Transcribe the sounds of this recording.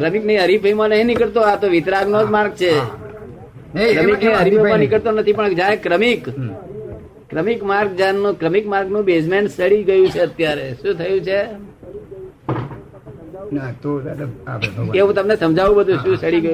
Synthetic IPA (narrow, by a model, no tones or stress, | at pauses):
kɾəmɪknəĩɦəɾipəimãnəɦĩnɪkəɭt̪oat̪oʋɪt̪ɾaɡnod͡ʒmaɾɡt͡ʃʰe | kɾəmiknəĩɦəɾipʰəmãnɪkəɭt̪onət̪ʰipəɳd͡ʒaekɾəmik | ɾəmikmaɾɡ̚d͡ʒanːũkɾəmikmaɾɡnũbesmeɳʈsəɽiɡəjũt͡ʃʰeət̪jaɾeʃũt̪ʰəjũt͡ʃʰe | nt̪obəd̪eɦũt̪əmnesəmd͡ʒʱaʋũbəd̪ʱũʃũsəɽiɡəjũ